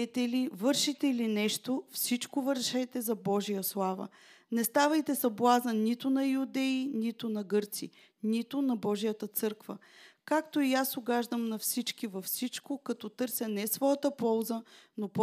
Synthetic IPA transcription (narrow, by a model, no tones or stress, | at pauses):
ɛt̪ɛlivɤɾʃit̪ɛlinɛʃt̪ofsit͡ʃkovəɾʃɛjt̪ɛzɐbɔʒijəslˠavə̰ | nɛst̪avəjt̪ɛsɐblˠazənit̪ʊnɐjʊd̪ɛinit̪ʊnɐɡɤɾt̪sḭ | nit̪ʊnɐbɔʒijət̪ət̪sɤɾkvə̰ | kakt̪oiasʊɡaʒd̪əmnɐfsit͡ʃkivɐfsit͡ʃkokɐt̪ɔt̪ɤɾsʲjənɛsvɔjət̪əpɔlˠzənop